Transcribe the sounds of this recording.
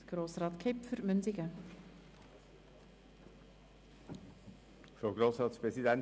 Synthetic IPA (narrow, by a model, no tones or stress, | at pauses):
ɡ̥ɾoːsɾaːt̪kʰejpfʏɾmʏnt̪ikə | fɾoɡɾoːsɾɑːt̪spɾɛsid̪ɛn